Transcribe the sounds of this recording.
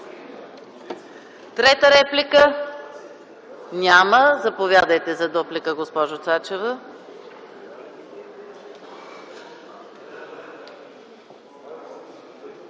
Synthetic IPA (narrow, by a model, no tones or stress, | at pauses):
t̪ɾɛt̪əɾɛplikə | nʲaməzɐpovʲjad̪əjt̪ɛzɐd̪ɔplikəɡospɔʒot̪sat͡ʃɛvə